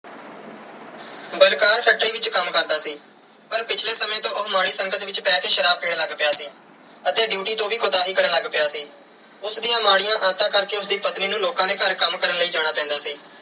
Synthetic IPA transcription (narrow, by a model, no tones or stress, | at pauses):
bəlkaːɾpʰɛːk̚ʈɾiːʋɪt͡ʃkəmkəɾd̪aːsiː | pəɾpɪt͡ʃʰleːsəmẽːt̪õːʊmaːɽiːsəŋɡət̪ʋɪt͡ʃpɛːkeːʃəɾaːb̚peːɽləɡpɪjaːsiː | ət̪eːɖjuːʈiːt̪õːʋiːkʰʊd̪aːɦiːkəɾənləɡpɪjaːsiː | ʊsd̪ijãːmaːɽɪjãːʔaːt̪ãːkəɾkeːʊsd̪iːpət̪niːnũːloːkãːd̪eːkəɾkəmkəɾənləiːd͡ʒaːɽ̃aːpɛ̃ːnd̪aːsiː